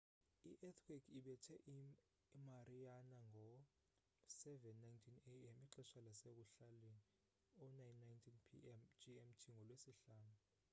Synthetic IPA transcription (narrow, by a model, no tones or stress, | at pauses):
iʔɛt̪ʰwikiɓɛtʰɛʔi | marijanaŋɡʱɔ | sɛvɛnːajntʰineɛmiǃɛʃalasek̬uɬali | ɔnajnːajntʰinpʰḭmd͡ʒiɛmtʰiŋɡʱɔlwesiɬaːnu